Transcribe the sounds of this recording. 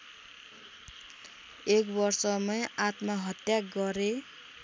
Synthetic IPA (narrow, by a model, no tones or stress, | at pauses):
ekbʌrsʌmʌjat̪maɦʌt̪jaɡʌɾe